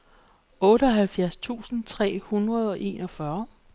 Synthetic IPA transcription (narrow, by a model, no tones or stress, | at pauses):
ɔ̽ːɾəɒ̽ɦælfjæɐst͡sʰṵːsn̩t͡sʰʁɛ̰ːhunʁɐð̞ˠɒ̽ʔe̝̰ːnɒ̽fɶɐ